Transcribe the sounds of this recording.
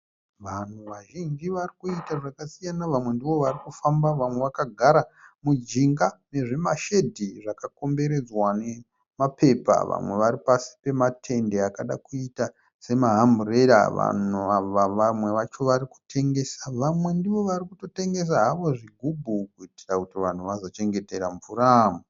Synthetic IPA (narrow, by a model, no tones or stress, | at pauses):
ʋan̤uʋaʒind͡ʒiʋarikuitaʐakasijanaʋamwe̞ndiʋo̞ʋarikufambaʋamwe̞ʋakaɡʱaɾamud͡ʒiŋɡane̞ʐimaʃe̞dʱiʐakako̞mbe̞ɾe̞d͡zwane̞ | mapʰe̞pa̰ʋa̰mwe̞ʋaɾipasi̥pe̞matʰe̞ndeakaɗakuita | se̞maɦambureɾa̰ʋa̰nuaʋaʋamwe̞ʋat͡ʃo̞ʋaɾiku̥tʰe̞ŋɡe̞saʋamwe̞ndiʋo̞ʋarikuto̞te̞ŋɡe̞s̬aɦaʋo̞ʐiɡʱubʱukuitirakutiʋan̤uʋazot͡ʃe̞ŋɡe̞teɾaɱvuɾamu